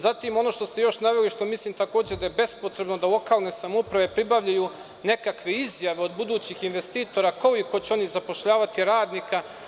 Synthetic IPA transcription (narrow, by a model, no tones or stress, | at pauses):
zat̪imo̞no̞ːʃt̪o̞st̪e̞jo̞ʃnaʋe̞liʃt̪o̞misliːmt̪ako̞ːd͡ʑed̪ajebe̞spo̞t̪ɾe̞bno̞d̪alˠo̞kaːlˠne̞samoupɾaʋe̞pɾibaʋʎaju | ne̞kakʋe̞izjaʋe̞o̞d̪bud̪uːt͡ɕixinʋe̞st̪iːt̪o̞ɾako̞iko̞t͡ɕeo̞nizapo̞ʃʎaːʋat̪iɾaːd̪nika